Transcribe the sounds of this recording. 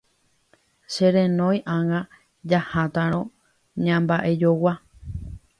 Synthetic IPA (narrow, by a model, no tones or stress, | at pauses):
ʃe̞ɾẽnõ̞j̃ʔãŋã | d͡ʒahat̪ãɾ̃õ̞ | ɲãmbaʔe̞d͡ʒowa